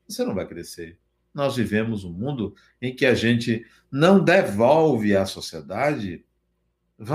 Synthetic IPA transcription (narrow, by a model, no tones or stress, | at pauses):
vosenɐ̃w̃vajkɾeseɾ | nɔzvivẽmʊzũmũnd̪ʊ | ẽj̃kɪaʒẽnt͡ʃɪ | nɐ̃w̃d̪evowvɪɐsosied̪ad͡ʒɪ | va